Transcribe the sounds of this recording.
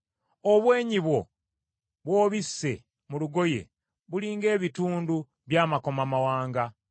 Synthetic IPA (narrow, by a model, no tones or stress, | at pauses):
oβwe̞ːɲiβwo̞ | βwoːβisːe̞̰ | muluɡo̞je̞̰ | βuliːŋɡe̞ːβituːndu | βjaːmako̞mamawaːŋɡa